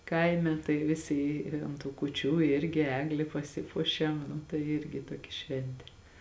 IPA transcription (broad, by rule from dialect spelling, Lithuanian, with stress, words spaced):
ˈkɐɪmʲɛ tɐɪ ˈʋʲɪsʲɪ ˈɪ ɐnt tuː kʊˈt͡ʃʲuː ˈɪrʲɡʲɪ ˈæːɡlʲɪ pɐˈsʲɪpuɔʃʲɛm nʊ tɐɪ ˈɪrʲɡʲɪ ˈtuɔkʲɛ ˈʃʲʋʲɛnʲtʲeː